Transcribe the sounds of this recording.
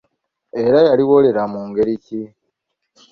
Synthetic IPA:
e̞ɾajaliwo̞le̞ɾamuːŋɡe̞ɾici

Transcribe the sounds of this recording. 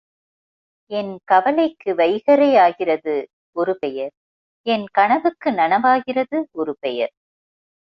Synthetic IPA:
ɛnkɐʋɐlɐɪkːɯʋɐɪɣɐɾɐjaːɣɪrɐðɯ | ɔɾɯpɛjɐɾ | ɛnkɐɳɐʋɯkːɯnɐɳɐʋaːɣɪrɐðɯɔɾɯpɛjɐ̰ɾ

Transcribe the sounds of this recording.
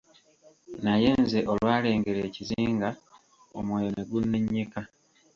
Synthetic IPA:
naje̞nze̞ʔo̞lwaːle̞ːŋɡe̞ɾeːciziːŋɡa | o̰mweːjoneɡunːeɲːika

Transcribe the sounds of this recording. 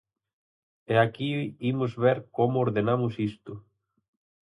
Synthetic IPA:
ɛakiimʊzβeɾkomʊoɾðenamʊsist̪ʊ

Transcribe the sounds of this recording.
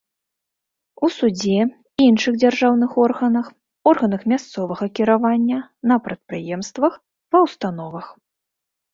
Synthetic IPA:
usud͡zʲɛ | inʂɨɣd͡zʲarʐawnɨxɔrɣɐnɐx | ɔrɣɐnɐxmʲast̪sɔvɐɣɐkʲiɾavanʲːɐnɐpɾɐt̪̚pɾɨjɛmst̪vɐx | vɐwst̪anɔvɐx

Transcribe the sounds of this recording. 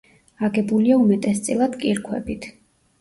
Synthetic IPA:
aɡɛbuliaumɛt̪ʼɛst̪sʼilˠad̪̥kʼiɾkʰwɛ̰bit̪ʰ

